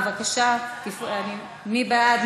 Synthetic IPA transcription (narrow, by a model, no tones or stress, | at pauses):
vakaʃakifani | mibaad̪